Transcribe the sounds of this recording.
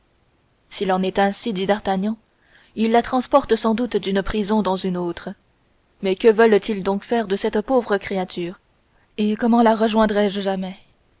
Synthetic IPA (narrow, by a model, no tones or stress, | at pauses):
silɑ̃nɛt̪ɛ̃sid̪id̪aʁt̪aɲɑ̃ | ilːat̪χɑ̃spɔʁt̪sɑ̃d̪ut̪d̪ynpχizɔ̃d̪ɑ̃zynot̪χə | mɛkəvəlt̪ild̪ɔ̃kfɛʁd̪əsɛt̪povʁəkχeat̪ʰyːʁ | ekɔmɑ̃laʁəʒwɛ̃d̪ʁɛʒʒamɛ